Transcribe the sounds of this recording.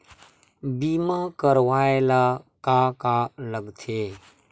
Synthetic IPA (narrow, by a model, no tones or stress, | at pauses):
biːmaːkəɾʋaːelaːkaːkaləɡt̪ʰeː